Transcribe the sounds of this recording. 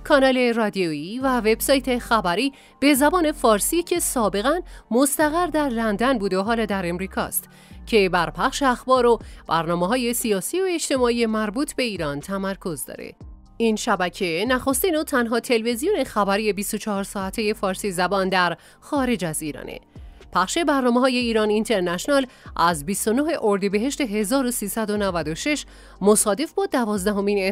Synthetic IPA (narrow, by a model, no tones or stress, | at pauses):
kʰɒːnɒːle̞rɒd̪ioiːvæve̞b̥sɒːjt̪ʰe̞xæbæɾiː | b̥e̞zæbɒːne̞fɒːɾsiːcʰe̞sɒːbe̞ɣænmost̪æɣæɾd̪æɾlænd̪ænbuːd̪oɦɒːlɒːd̪æɾe̞mɾiːkʰɒ̰ːst̪ | cʰe̞bæɾpʰæχʃeæxbɒːɾob̥æɾnɒːmeɦɒːje̞siɒːsiːoe̞t͡ʃt̪e̞mɒːije̞mæɾbuːt̪ʰbe̞iːɾɒːnt̪ʰæmæɾkʰo̞zd̪ɒ̰ːɾḛ | inʃæbæcʰe̞næxo̞st̪iːnot̪ʰænɦɒːt̪ʰe̞lve̞zijone̞xæbæɾije̞bist̪o̞t͡ʃʰɒɦɒɾsɒːæt̪ʰeje̞fɒːɾsizæbɒːnd̪æɾ | xɒːɾe̞d͡ʒæziːɾɒ̰ːnḛpʰæχʃe̞bæɾnɒːmeɦɒːje̞iːɾɒnint̪ʰe̞ɾnæʃnɒlʔæzbist̪o̞noɦe̞ʔoɾd̪ibe̞ɦe̞ʃt̪e̞ɦe̞zɒːɾo̞siːsæd̪o̞nævæd̪oʃe̞ʃ | mosɒːd̪e̞fbɒːd̪ævɒːzd̪æɦo̞mine